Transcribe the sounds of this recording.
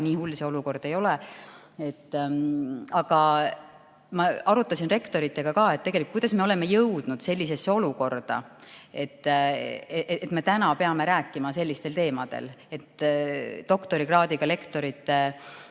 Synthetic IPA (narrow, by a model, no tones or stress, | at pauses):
niːhulːseo̞luko̞rd̪̥e̞jo̞lee̞t̪ː | ɑɡ̥ɑ | mɑɑɾut̪ːˑɑsinre̞kt̪o̞ɾit̪ːe̞ɡ̥ɑkɑːet̪t̪ːeɡe̞likujd̪̥ɑsme̞o̞le̞me̞jɤwd̪̥nud̪̥se̞lʲːise̞sːeo̞luko̞rd̪̥ɑ̰e̞t̪ː | eeet̪me̞t̪ænɑpe̞ɑme̞ɾæːkːˑimɑse̞lʲːist̪e̞lt̪e̞ːmɑd̪̥e̞̰le̞t̪ː | o̞kt̪o̞ɾiɡrɑːd̪iɡ̥ɑle̞kt̪o̞ɾit̪ːˑe